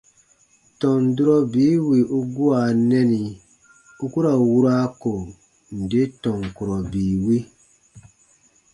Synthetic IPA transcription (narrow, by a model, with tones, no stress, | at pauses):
tɔ̃˨n˨du˦ɾɔ˦biː˨˦wi˨ʔu˦ɡu˦a˨nɛ˦ni˨ | u˦ku˦ɾa˨wu˦ɾa˦ko˨ | n̩˨de˦tɔ̃˨ŋ˨ku˨ɾɔ˨biː˨wi˦